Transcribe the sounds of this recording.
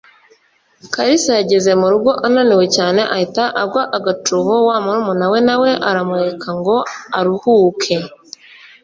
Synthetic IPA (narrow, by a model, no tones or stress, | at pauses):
kaɾisaɟeze̞muɾubɡo̞ʔananiwe̞caːne̞ʔahitaʔabɡwaʔaɡatuβowamuɾumunawe̞nawe̞ʔaɾamuɾekʰaŋɡo̞aɾuhuːkʰe̞